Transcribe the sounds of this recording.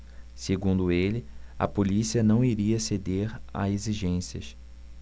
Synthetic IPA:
seɡũnd̪ʊelɪɐ̰polisiɐnɐ̃w̃iɾiɐsed̪eɾa̰eziʒẽsiɐ̰ʃ

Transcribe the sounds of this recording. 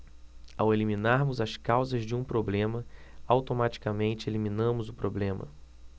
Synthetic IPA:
awelimĩnaɾmʊzɐskawzɐzd͡ʒɪũpɾoblẽmɐawt̪omat͡ʃi̥kamẽnt͡ʃɪelimĩnɐ̃mʊzʊpɾoblẽmɐ̰

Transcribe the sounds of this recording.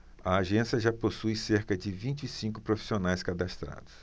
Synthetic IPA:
ɐaːʒẽsjɐʒaposujseɾkɐd͡ʒɪvĩt͡ʃɪisĩkʊpɾofi̥sionajskad̪ast̪ɾa̰d̪ʊs

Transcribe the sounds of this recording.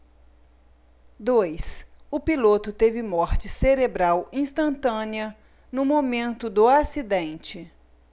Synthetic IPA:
d̪ojsʊpilot̪ʊt̪evɪmɔɾt͡ʃɪseɾebɾawĩst̪ɐ̃nt̪ɐ̃niɐ | nʊmomẽnt̪ʊd̪ʊasid̪ẽnt͡ʃɪ

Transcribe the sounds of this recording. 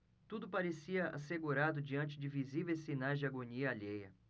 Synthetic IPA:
t̪ud̪ʊpaɾesiɐʔa̰seɡuɾad̪ʊd͡ʒiɐ̃nt͡ʃɪd͡ʒɪvizivejsinajzd͡ʒɪaɡoniɐaʎejɐ

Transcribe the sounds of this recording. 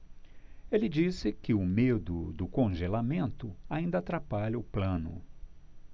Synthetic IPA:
elɪd͡ʒisɪkɪʊmed̪ʊd̪ʊkõʒelamẽnt̪ʊaĩnd̪ɐaːt̪ɾapaʎɐʊplɐ̃nʊ̰

